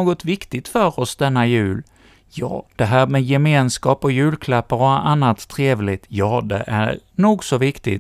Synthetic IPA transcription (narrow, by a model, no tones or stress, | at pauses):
oːɡɔt̪vɪkt̪ɪɡt̪fœɾɔsd̪ɛnːajʉ̟ːl | jɑ̰ːd̪̥ɛɦæːɾmɛjɛmeːnskɑːpɔjʉ̟ːlkʰlapːəɾɔanːat̪ʰːɾeːvlɪɡt̪jɑːd̪ɛ̰ʔæɾnuːɡsɔvɪkt̪ɪ̰t̪